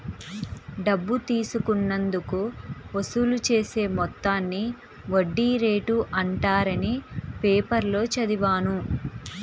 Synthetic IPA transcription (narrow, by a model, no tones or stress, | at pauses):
ɖɐbːut̪iːsukunːɐnd̪ukuosulut͡ʃe̞ːse̞ːmɔt̪ːaːnːi | ʋoɖːiːɾe̞ːʈuʔɐɳʈaːɾɐnipeːpɐɾlo̞ːt͡ʃɐd̪iʋaːnu